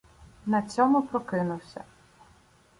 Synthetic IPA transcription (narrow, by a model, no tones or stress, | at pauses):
nɐt͡sʲɔmʊpɾɔkɪnʊwsʲɐ̰